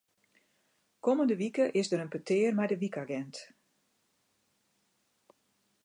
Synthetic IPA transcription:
koməndəʋikəʔɪsdəɾənpətɪːrmɛjdəʋikaɡɛnt

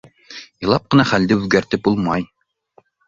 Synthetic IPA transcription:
jɤ̆lˠɑp̚qɤ̆nɑχæld̪ɘʉðɡæɾt̪ɘp̚bulˠmɑj

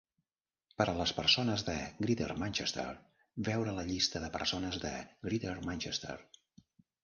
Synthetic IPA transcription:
pəɾələspəɾsonəzðəɡɾiðə̰rmanʲt͡ʃest̪ḛr | bɛwɾələʎist̪əðəpə̰ɾsonəzðə̰ɡɾiðəɾmanʲt͡ʃɛst̪ə̰r

